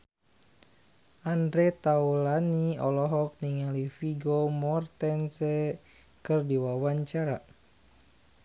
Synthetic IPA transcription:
ʔandɾɛt̪aulaniɔlɔɦɔk̚niŋalifiɡomɔrt̪ɛnsɛ | kɨrdiwawaɲt͡ʃaɾa̰

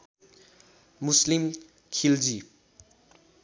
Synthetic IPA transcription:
muslim | kʰild͡zi

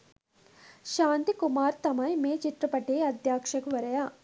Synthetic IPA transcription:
ʃaːnt̪ikumaːɾt̪ɐmɐjmeːt͡ʃit̪ɾɐpɐʈeːɐd̪jaːkʂɐkʋɐɾɐjaː

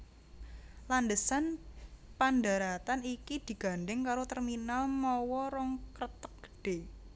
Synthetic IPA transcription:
landəsanpandaɾat̪anikid̪̥i̤ɡ̥a̤nɖɪŋkaɾot̪ərminalmɔwɔɾɔŋkrət̪ək̚ɡ̥ə̥ɖ̥e

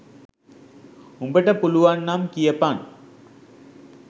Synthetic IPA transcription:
umbɐʈːɐpuluʋaːnːaːmkijɐpaːn

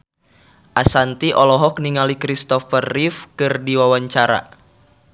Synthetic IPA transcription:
ʔasant̪iʔɔlɔɦɔk̚niŋalikɾist̪ɔfərːifkɨrdiwawaɲt͡ʃaɾa̰

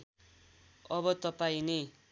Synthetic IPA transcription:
ʌβʌt̪ʌpaĩni

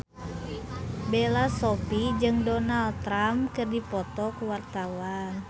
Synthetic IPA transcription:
belasɔpid͡ʒɨŋdɔnalt̪ɾamkɨrdipɔt̪ɔkuwart̪awa

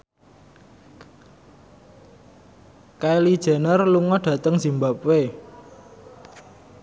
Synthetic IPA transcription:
kaelid̥ʒ̥ɛ̤nərluŋɔdɖ̥ä̤t̪əŋz̥i̤mbap̚we

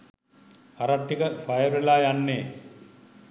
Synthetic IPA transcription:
aɾaʈ̪ːikəfajəɾelaːjanːeː

